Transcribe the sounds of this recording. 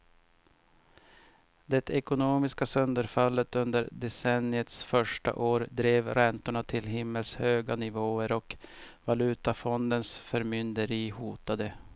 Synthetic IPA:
d̪ɛt̪ʰɛkʊnoːmɪskasœnd̪əɾfalːət̪ɵnd̪əɾd̪ɛsɛnɪət̪sfœʂʈa̰ʔoːɾd̪ɾeːvɾɛnt̪ʊɳat̪ʰɪlɦɪmːəlshøːɡanɪvoːəɾɔk | valʉ̟ːt̪afɔnd̪ənsfœɾmʏnd̪əɾiːhuːt̪ad̪ə

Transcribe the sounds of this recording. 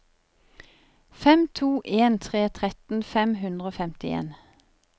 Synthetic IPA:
fɛmt̪ʰuːʔeːnt̪ʰʁeːt̪ʰʁɛt̪n̩fɛmɦʉnd̪ʁəoːfɛmt̪ɪḛːn

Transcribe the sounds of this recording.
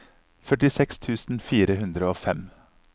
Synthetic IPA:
fœʈɪsɛkst̪ʰʉːsn̩fiːɾəhʉnd̪ɾəoːfɛm

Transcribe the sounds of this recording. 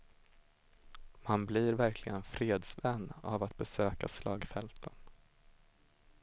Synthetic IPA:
manblɪɾvæɾkʰlɪɡənfɾeːd̪svɛnːa̰vat̪̚bɛsøːkaslɑːɡfɛlt̪ʰən

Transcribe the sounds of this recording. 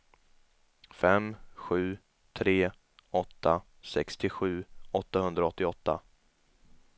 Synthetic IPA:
fɛmɧʉ̟ː | t̪ʰɾeː | ɔt̪ʰːa | sɛkst̪ʰɪɧʉ̟ːɔt̪ːahɵnd̪ɾaɔt̪ːɪɔt̪ʰːa̰

